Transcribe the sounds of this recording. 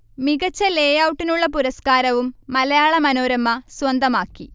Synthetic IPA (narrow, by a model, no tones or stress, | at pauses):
miɣɐt͡ɕːɐle̞ːjawuʈːinuɭːɐpuɾɐskaːɾɐʋumːɐlɐjaːɭɐmɐno̞ːɾɐmːɐswɐnd̪ʱɐmaːkːi